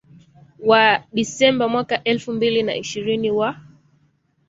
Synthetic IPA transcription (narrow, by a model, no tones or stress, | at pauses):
waɗisɛmbamwakaʔɛlfumbilina̰iʃiɾiniwa